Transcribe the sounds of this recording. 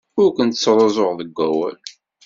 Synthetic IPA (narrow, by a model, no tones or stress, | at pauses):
ʊɾkʷənt̪sːɾˤɑzˤoʁðəɡʷːæwæ̰l